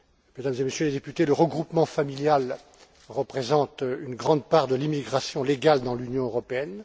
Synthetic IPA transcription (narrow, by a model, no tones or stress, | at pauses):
med̪amzemesjøled̪epyt̪eləʁəɡʁupmɑ̃familjal | ʁəpχezɑ̃t̪ynɡʁɑ̃d̪̚paʁd̪əlimiɡʁasjɔ̃leɡald̪ɑ̃lynjɔ̃øʁɔpeɛn